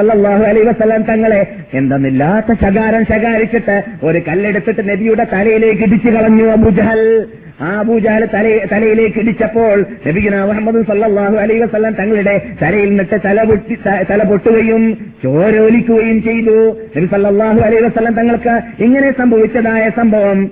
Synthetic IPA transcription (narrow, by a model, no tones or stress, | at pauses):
ɐlːɐlˠˤːɑːɦuɐlɐɦiʋɐsɐlːɐmt̪ɐŋːɐɭe̞ | end̪ɐnːilːaːt̪ːɐɕɐɣaːɾɐmɕɐɣaːɾit͡ɕːiʈːɨo̞ɾukɐlːe̞ɽut̪ːiʈːɨnebijuɽe̞t̪ɐlɐjile̞ːk̬ːiɽit͡ɕːɨkɐɭɐɲːuɐbuːd͡ʑɐɦɐl | aːɐbuːd͡ʑɐɦɐlt̪ɐlɐjt̪ɐlɐjile̞ːkːiɽit͡ɕːɐpːo̞ːɭnɐbikʲːinaːmuhɐmːɐðunsɐlːɐlˠːaːɦuɐlɐɦiʋɐsɐlːɐmt̪ɐŋːɐɭiɽe̞t̪ɐlɐjilnːiʈːɨt̪ɐlɐpoʈ̪ːɐt̪ɐlɐpoʈːuʋɐjːumt͡ɕo̞ːɾoːlikʲːuɣɐjumt͡ɕe̞jt̪unɐbisɐlːɐlːaːɦuɐlɐjɦiʋɐsɐlːɐmt̪ɐŋːɐɭkɨiŋːɐne̞sɐmbʱɐʋit͡ɕːɐðaːjɐsɐmbʱɐʋɐm